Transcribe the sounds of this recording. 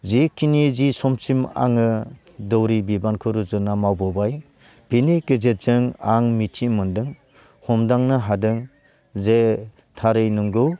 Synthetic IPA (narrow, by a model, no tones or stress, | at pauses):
zikʰːinizisɔmsima̰ŋɯ | dɯwɾibibankʰɯɾuzɯnamawbɔbaj | b̥iniɡɯzet̚z̥ɯŋaŋmitʰimɯndɯŋ | hɔmdaŋnɯɦadɯŋ | ze | tʰaɾɯjnɯŋɡɯw